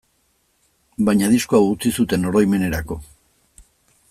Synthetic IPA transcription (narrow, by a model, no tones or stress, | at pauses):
bajɲaðisko̞awut͡sisut̪e̞no̞ɾo̞jme̞ne̞ɾako̞